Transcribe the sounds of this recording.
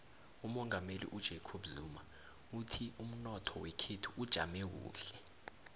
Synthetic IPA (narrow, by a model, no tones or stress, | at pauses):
umɔŋamelḭʔud̥ʒ̥ʱekʰoɓzuma | utʰium̩nɔtʰɔwɛkʰetʰuʔud̥ʒ̥ʱa̰mek̬ṵːɬɛ